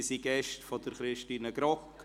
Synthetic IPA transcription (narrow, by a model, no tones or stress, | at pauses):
siɡɛʃtfɔdəɾχɾɪʃtiːnəɡ̥ɾɔk